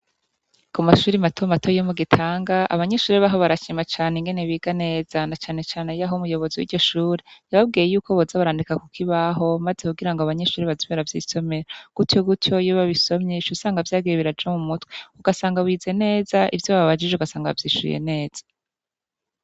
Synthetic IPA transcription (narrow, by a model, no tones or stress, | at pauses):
kumaʃuːɾimatʰomatojomuɡitʰaːŋɡaa̰βaɲe̞ʃuːɾiβaɦoβaɾat͡ʃimat͡ʃaːneŋɡe̞neβiːɡane̞ːz̥anat͡ʃaːne̞t͡ʃaːne̞jaɦomujo̞βo̞ziwḭɾɟo̞ʃuːɾejaβab̚ɡiːjejuːkoβozaβaɾaːndikakukʰiβaɦo̞mazekuɡiɾaŋɡoaβaɲe̞ʃuːɾiβazimeɾavjḭso̞me̞ɾaɡ̥utjoɡutjo̞juβaβiso̞mɲeʃusaːŋɡavjaːɡijeiɾad͡ʒamumutweuɡasaːŋɡaβwiːze̞ne̞ːzaʔivjoβaβad͡ʒiʒeuɡasaːŋɡa̰vjiːʃṵjḛne̞ːz̥ḁ